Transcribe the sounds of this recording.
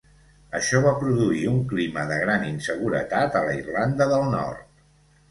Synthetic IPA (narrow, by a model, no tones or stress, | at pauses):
əʃɔβ̞apɾuðuiuŋkliməðəɣɾaninsəɣuɾə̰t̪at̪ələirland̪əðəlˠnɔ̰rt̪̚